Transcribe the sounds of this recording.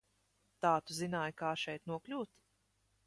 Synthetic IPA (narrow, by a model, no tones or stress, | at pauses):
t̪aːt̪uzinaːjkaːʃɛjt̪nuɔklʲuːt̪